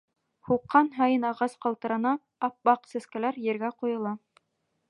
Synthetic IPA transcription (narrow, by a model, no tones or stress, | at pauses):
huqːɑnɦɑjɤnɑʁɑsqɑlˠt̪ɤ̆ɾɑnɑ | ɑp̚bɑqsɘ̆skælæɾjɘ̆ɾɡæqujɤ̆lˠɑ